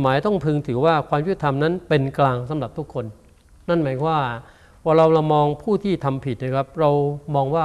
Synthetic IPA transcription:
maː˩˦jt̪ɔ˥˩ŋpʰɯː˧ŋt̪ʰɯː˩˦waː˥˩kʰwaː˧mjʰu˥˩t̪ʰa˧mna˦˥npe˧nklaː˧ŋsa˩˦mɾa˨˩p̚t̪ʰu˦˥kʰːo˧n | na˥˩nmaː˩˦kʰwaː˥˩ | waː˧ɾa˧wɾa˧wmɔː˧ŋpʰuː˥˩t̪ʰiː˥˩t̪ʰa˧mpʰi˨˩t̪̚na˥˧˩kʰɾa˦˥p̚ɾa˧wmɔː˧ŋwaː˥˩

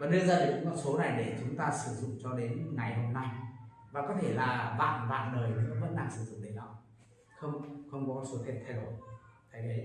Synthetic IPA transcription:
vaː˨˩ɗɨ˧zəː˨˩˦mɔ˨˩t̚so˨˦na˨˩jɗe˧˩t͡ɕʊ˨˦ŋ͡mt̪aː˧sɨ˧˩zʊ̰˧˨ŋ͡mt͡ɕɔ˧ɗe˨˦nŋa˨˩jɦo˧mna˧j | vaː˨˩kɔ˨˦t̪ʰe˧˩laː˨˩ɓa̰ː˧˨nɓa̰ː˧˨nləː˨˩jnɨ̰˧˥əvə̰˦˥n̚ɗa˧˩ŋsɨ˧˩zʊ̰˧˨ŋ͡mɗə˨˦la˨˧˦wŋ͡m | xə˧wŋ͡mxə˧wŋ͡mkɔ˨˦kɔ˨˦so˨˦t̪ʰe˨˧˩nt̪ʰa˧˩o˨˧˨jt̪ʰa˨˦jə˨˦

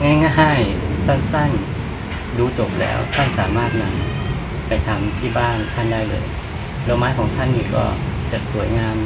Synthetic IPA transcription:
ŋa˧˥˩jŋa˧˥˩ɦaː˥˩jsa˥˩nsa˥˩ŋ | duː˧t͡ɕo˨˩p̚lɛ̰ː˦˥wt̪ʰa˥˩nsaː˩˦maː˥˩t̪̚na˧˥m | pa˨˩jt̪ʰa˧˩mt̪ʰiː˥˩baː˥˩nt̪ʰa˥˩ndaː˥˩jlɤ̰ː˧j | lo˧˩maː˦˥jkʰɔː˩˦ŋt̪ʰa˥˩nːiː˧˩kɔ̰ː˧˥˩t͡ɕa˨˩su˨˩˦əjŋaː˧m

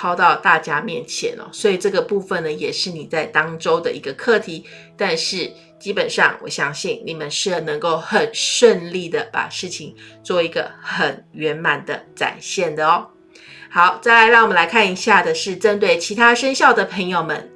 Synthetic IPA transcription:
pʰɑ˥ʊt̪ɑ˥˧ʊt̪a˥˨˩t͡ɕja˥mjɛ˥˨˩nt͡ɕʰjɛ̰˧˥nɔ̰˦swɔ˧˥i˨˩ʈ͡ʂɤ˥˩ɡə˩pu˥˧fə˨nnə˩jɛ˨˩ʂɻ̩˥˩ni˨˩t͡sa˥˩ɪt̪ɑ˥ŋʈ͡ʂo˥ʊd̪ə̰˨ʔi˧˥ɡə˧kʰɤ˥˩t̪ʰi˧˥˦ | t̪a˥˧nʂɻ̩˥˩ | t͡ɕi˥pə˨˩nʂɑ̰˥˩ŋwɔ̰˨˩ɕjɑ˥ŋɕi˥˩ŋni˨˩mə˦nʂɻ̩˥˩nə˧˥ŋko˥˩ʊxə˨˩nʂwə˥˧nli˥˩d̪ə˩pa̰˨˩ʂɻ̩˥˩t͡ɕʰi˩˦ŋt͡swɔ˥˩i˧˥ɡə˧xə˨˩nɥɛ˧˥nma˨˩nd̪ə˦t͡sa̰˨˩nɕjɛ˥˩nd̪ə˩ɔ˦ | xɑ˧˦ʊt͡sa˥˩ɪla˧˥ɪɻɑ˥˩ŋwmə˦nla˧ɪkʰa˥˩ni˧˥ɕja˥˩d̪ə˩ʂɻ̩˥˩ʈ͡ʂə˦nt̪we˥˩ɪt͡ɕʰi˧˥t̪ʰa˥ʂə˥nɕjɑ˥˩ʊd̪ə˩pʰə˧˥ŋjo˧ʊmə˨˦n

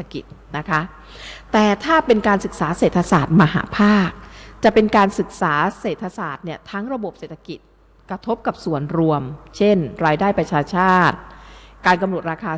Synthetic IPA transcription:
a˧ki˨˩t̪̚na˦˥kʰa˦˥ | t̪ɛː˨˩t̪ʰaː˥˩pe˧nkaː˧nsɯ˨˩k̚saː˩˦seː˨˩t̪ʰa˧saː˨˩t̪̚ma˧ɦa̰ː˩˦pʰaː˥˩k̚t͡ɕa˨˩pe˧nkaː˧nsɯ˨˩k̚saː˩˦seː˨˩t̪ʰːa˧saː˨˩t̪̚ni˥˩ɐt̪ʰa˦˥ŋɾa˧bo˨˩p̚seː˨˩t̪ʰːa˧ki˨˩t̪̚ | kɾa˧t̪ʰo˦˥p̚ka˨˩p̚su˨˩ənɾu˧əmt͡ɕʰe˥˩nɾaː˧jdaː˥˩jpɾa˧t͡ɕʰaː˧t͡ɕʰaː˥˩t̪̚kaː˧nka˧mɾu˨˩ət̪̚ɾaː˧kʰaː˧

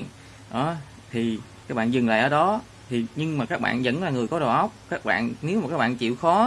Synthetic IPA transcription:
n | ɗɔ˨˦ | t̪ʰi˨˩kaː˦˥k̚ɓa̰ː˧nzɨ˨˩ŋla̰ː˧˨jʔəː˧˩˦ɗɔ˨˦ | t̪ʰi˨˩ɲɨ˧ŋmaː˨˩kaː˦˥k̚ɓa̰ː˧˨nzə̰˧˥nlaː˨˩ŋɨ˨˩əjkɔ˨˦ɗo˨˩ʔə˦˥wk͡p̚kaː˦˥k̚ɓa̰ː˧˨nne˨˦wmaː˨˩kaː˦˥ɓa̰ː˧˨nt͡ɕḭ˧˨wxɔ˨˦

